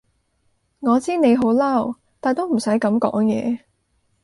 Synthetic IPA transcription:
ŋɔː˨˧t͡siː˥ne˨˧jɦo˨˥wlɐ˥˩w | t̪aː˨˧jt̪o˥wm̩˨˩sɐ˨˥jkɐ˨˥mkɔ̰ː˨˥ŋjɛː˨˧

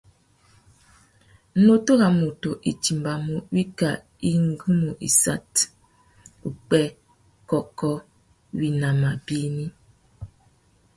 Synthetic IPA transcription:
n̩˦no˦to˦ɣa˨mo˨to˨ʔi˨t͡ʃi˨mba˨mu˦wi˦ka̰˨ | i˦ŋ˦ɡu˦mu˨ʔḭ˨sa̰˦t | u˨k͡pɛ˦ | kɔ˦kɔ˦ | wi˨na˨ma˨bi˦ni˦

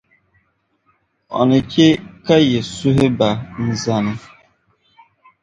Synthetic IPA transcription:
ɔ̰˨nɪ˨ke˦ka˦je˨su˦ɦe˦ba˨n̩˨za˨nɪ˦

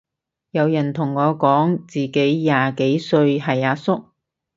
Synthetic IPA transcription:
jɐ˨˧wjɐ˨˩nt̪ʰʊ˨˩ŋːɔː˨˧kɔː˨˥ŋt͡siː˨ke˨˥jjaː˨˩ke˨˥jsɵ˧ɥɦɐ˨˩jaː˧sʊ˥k̚

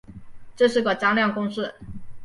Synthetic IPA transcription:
ʈ͡ʂɤ˥˧ʂ̬ɻ̩˥˩ɡə˨˩t͡ɕɑ˥ŋljɑ˥˩ŋkʊ˥ŋʂɻ̩˥˩

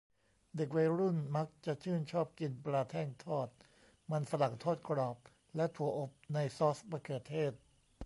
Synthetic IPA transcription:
de˨˩k̬̚wa˧jɾu˥˩nma˦˥k̚t͡ɕa˨˩t͡ɕʰɯː˥˩nt͡ɕʰɔː˥˩p̚ki˧npɾaː˧t̪ʰɛː˥˩ŋt̪ʰɔː˥˩t̪̚ | ma˧nsa˧la˨˩ŋt̪ʰɔː˥˩t̪̚kɾɔː˨˩p̚ | lɛ˦˥t̪ʰu˨˩˦ɐʔo˨˩p̚na˧jsɔː˦˥spɾa˧kʰɯː˨˩t̪ʰeː˥˩t̪̚

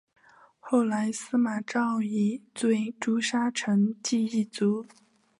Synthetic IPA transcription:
xo˥˩ʊla˧˥ɪsɹ̩˥ma˨˩ʈ͡ʂɑ˥˩ʊi˨˩t͡swe˥˩ɪʈ͡ʂu˥ʂa˥ʈ͡ʂʰɤ˧˥ŋt͡ɕi˥˧i˥˩t͡su˧˥

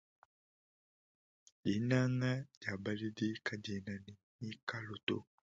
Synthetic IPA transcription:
i˨na˦ŋa˦d͡ʒa˨ba˨li˦di˦ka˨de˨na˨ni˨ni˦ka˦lo˨to̰˦˨

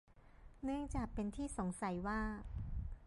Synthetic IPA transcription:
nɯ˥˩əŋt͡ɕaː˨˩k̚pe˧nt̪ʰiː˥˩so˩˦ŋsa˨˩˦jwaː˥˩

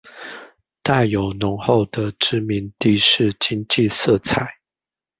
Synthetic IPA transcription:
t̪a˥˩ɪjo˨˩ʊnʊ˧˥ŋxo˥˨ʊd̪ə˨ʈ͡ʂɻ̩˥mi˧˦nt̪i˥˧ʂɻ̩˥˩˨t͡ɕi˥ŋt͡ɕi˥˧sɤ˥˨t͡sʰa˨˩˦ɪ

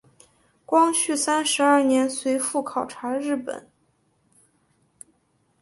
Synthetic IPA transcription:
kwɑ˥ŋɕʰy˥˩sa˥nʂɻ̩˧˥ɐ˞˥˩njɛ˧˥nswe˧˥ɪfu˥˩kʰɑ˨˩ʊʈ͡ʂʰa˧˥ɻɻ̩˥˩pə̰˨˩˦n

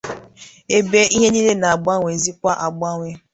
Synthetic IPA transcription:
e˨be˦ʔi˦ɦe˦ni˦le˦na˨a˨ɡ͡ba˦ŋʷe˨zi˦kʷa˦ʔa˨ɡ͡ba˦ŋʷe˦

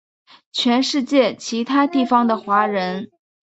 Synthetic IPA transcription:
t͡ɕʰɥɛ˧˥nʂɻ̩˥˧t͡ɕjɛ˥˩t͡ɕʰi˧˥t̪ʰa˥t̪i˥˩fɑ˧ŋd̪ə˨xwa˧˥ɻə˧˥n

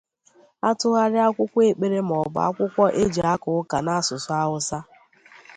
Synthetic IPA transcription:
a˦tʊ˦ɣa˦ɾɪ˦a˦kʷʊ˦kʷe˨k͡pe˦ɾe˦m̩˨ɔ˨ba˦a̰˦kʷʊ˦kʷɔ˦ʔe˦d͡ʒa˦kʊ˨ʊ˦ka˨na˦a˨sʊ˨sʊ˦a˦ɦʊ˦sa˦

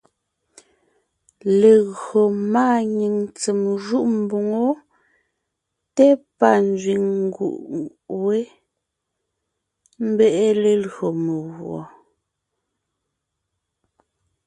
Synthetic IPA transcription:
le˨ɣɰo˨maː˦ɲi˨ŋt͡se˨mʒu˦ʔm̩˨bo˨ŋo˦ | tɛ˦pa˦n˦d͡zɥi˨ŋŋ˦ɡṵ˨ʔ | we˦ | m̩˦bɛ˦ʔe˦le˨lɰo˨me˨ɣwɔ̰˨

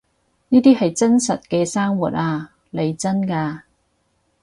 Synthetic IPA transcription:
niː˥t̪iː˥hɐ˨jt͡sɐ˥nsɐ˨t̚kɛː˧saː˥ŋwuː˨˩t̚aː˧ | le˨˧jt͡sɐ˥nkaː˧

